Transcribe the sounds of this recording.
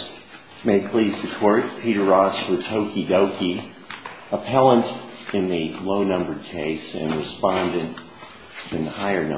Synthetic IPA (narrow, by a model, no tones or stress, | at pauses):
meɪd̚pʰl̥iz̥ðɨkʰɔɹt̚pʰiɾə˞ɑswə˞tʰoʊkidoʊkʰi | əpʰɛlˠə̃nt | ɨ̃nðɨloʊnʌ̃mbə˞d̚kʰeɪsɨ̰̃nɹɨspɑ̃ndɨ̃nt | ɨ̃nhaɪə˞nʌ̰̃